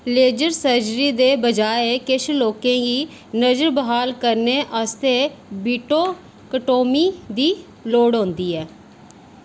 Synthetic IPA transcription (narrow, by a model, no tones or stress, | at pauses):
leːd͡ʒəɾsəɾd͡ʒɾiːd̪eːbəd͡ʒaːekɪʃʰloːkẽːɡiː | nəd͡ʒəɾbəɦaːlkəɾneːʔast̪eːbiːʈoː | kəʈoːmiːd̪iː | loːɽɦõːnd̪iːɛː